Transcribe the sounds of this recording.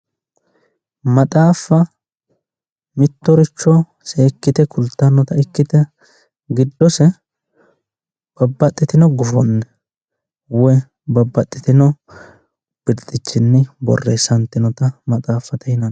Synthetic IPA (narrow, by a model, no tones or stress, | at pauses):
mɐt̪ʼaːfːɐ | mɪt̪ːɔɾɪt͡ʃːɔ | seːkːɪt̪ɛkʰʊlt̪ːɐnːɔt̪ɐɪkːɪt̪ɛ | ɡɪd̪ːɔsɛ | b̥ɐbːɐt̪ʼːɪt̪ɪnɔɡʊfɔnːɛ | wɛ | bɐbːɐt̪ʼːɪt̪ɪnɔ | b̥ɪɾt̪ʼːɪt͡ʃːɪnːɪbɔ̰rːeːsɐnt̪ːɪnɔt̪ɐmɐt̪ʼaːfːɐt̪ɐhɪnɐn